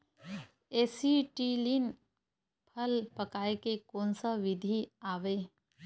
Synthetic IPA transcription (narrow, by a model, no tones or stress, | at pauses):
eːsiʈilin | pʰəlpəkaːekekoːnsəʋɪd̪ʱiaːʋe